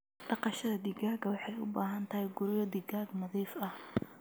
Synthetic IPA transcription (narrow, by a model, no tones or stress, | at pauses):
ɖɑqɑʃɐðɐd̪iɡaːɡɐwɑħɑjʊ̰baːɦɐnt̪ʰɐhɛjɡʊɾjɐd̪iɡaːɡnɐðiːfɐh